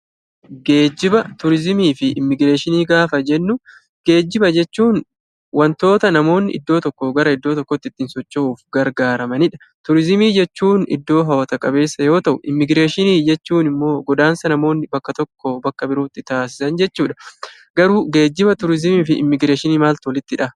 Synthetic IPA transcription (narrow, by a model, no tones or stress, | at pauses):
ɡe̞ːd͡ʒːɪbɐt̪ʊɾɪzɪmiːfɪɪmːɪɡɾe̞ːʃɪniːɡaːfɐd͡ʒɛnːʊ | ɡ̥e̞ːd͡ʒːɪbɐd͡ʒɛt͡ʃːuːn | wɐnt̪o̞ːt̪ɐnɐmo̞ːnːɪ̰ʔɪ̰d̪ːo̞ːt̪ɔkːoɡɐɾɐɪd̪ːoːt̪ɔkːɔt̪ːɪt̪ːɪnsɔt͡ʃːɐuːfɡɐɾɡaːɾɐmɐnɪᶑɐ̥ | t̪ʊɾɪzɪmiːd͡ʒɛt͡ʃːuːnɪ̰d̪ːo̞ːɦɐwɐt̪ɐkʼɐbe̞ːsːɐjo̞ːt̪ɐʔʊʔɪ̰mːɪɡɾe̞ːʃɪniːd͡ʒɛt͡ʃːuːnɪmːo̞ːɡɔd̪aːnsɐnɐmo̞ːnːɪbɐkːɐt̪ɔkːobɐkːɐbɪɾuːt̪ːɪt̪aːs̬ɪ̥sɐnd͡ʒɛt͡ʃːuːᶑɐ | ɡɐɾuːɡe̞ːd͡ʒːɪbɐt̪ʊɾɪzɪmiːfɪʔɪ̰mːɪɡɾe̞ːʃɪniːmaːlt̪wɔlɪt̪ːɪᶑɐ